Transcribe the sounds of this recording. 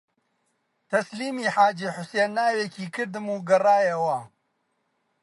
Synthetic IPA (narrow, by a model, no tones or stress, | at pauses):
t̪ɐsliːmiːħaːd͡ʒiːħʊseːnːaːwekiːkɨɾd̪ɨmuːɡɐraːjɐwɐ